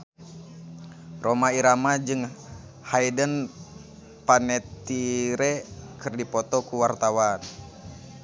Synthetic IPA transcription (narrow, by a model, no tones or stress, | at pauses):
romaiɾamad͡ʒɨŋ | haidən | panɛt̪iɾɛkɨrdipɔt̪ɔkuwart̪awan